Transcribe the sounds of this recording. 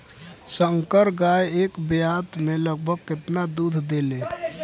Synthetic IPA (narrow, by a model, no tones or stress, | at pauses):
səŋkəɾɡajeːkbjaːt̪mẽləɡ̚bʱəɡ̚kɪt̪nad̪uːd̪ʱd̪ele